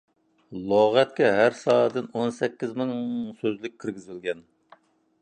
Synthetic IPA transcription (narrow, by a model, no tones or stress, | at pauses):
lˠoʁɛt̪̚kʲɛɦæɾsɑːd̪ɨnonsɛkʲːizmɪŋsøzlɪk̚ʲʰːiɾɡʲizɪlɡʲɛn